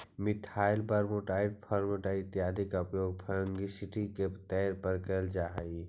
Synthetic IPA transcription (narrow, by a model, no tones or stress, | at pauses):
mɪʈʰaːɪlpəɾmoʈaːɪʈ̚pʰəɾmoʈaɪt̪jaːd̪ʱɪkəpjoːɡ̚pʰəə̃ŋɡisɪʈiket̪ɛːɾpəɾkəld͡ʒaːɦi